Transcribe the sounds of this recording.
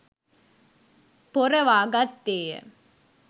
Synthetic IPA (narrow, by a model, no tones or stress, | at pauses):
pɔɾɐʋaːɡat̪ːeːɐ̰